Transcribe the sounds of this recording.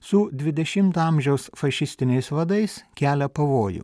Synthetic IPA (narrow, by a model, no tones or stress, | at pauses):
sʊd̪ʲʋʲɪd̪ʲɛʃʲɪmt̪ːɐmʲʒʲɛʊsfɐʃʲɪsʲt̪ʲɪnʲɛɪsʋɐd̪ɐɪskʲæːlʲɛpɐʋoːjʊ̰